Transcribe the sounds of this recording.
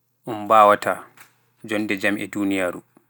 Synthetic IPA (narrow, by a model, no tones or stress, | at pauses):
ʔumbaːwata | d͡ʒɔndɛd͡ʒamʔɛ̰duːnijaɾu